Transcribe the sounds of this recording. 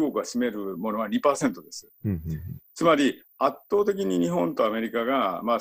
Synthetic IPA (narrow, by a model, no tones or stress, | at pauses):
okɯ̟aɕime̞ɾɯ̟mo̞no̞aɲ̟ipaːsẽ̞nt̪o̞d̪e̞sɨ̥ | t͡sɨmaɾʲi | at̪ːo̞ːt̪e̞k̬ʲiɲ̟iɲ̟iɦõ̞nt̪o̞ame̞ɾʲikaɡama